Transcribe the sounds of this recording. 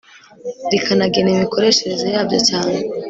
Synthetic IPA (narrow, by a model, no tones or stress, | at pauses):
dikʰanaɡenimiko̞ɾe̞ʃe̞ɾe̞zojaːbɟot͡ʃaːne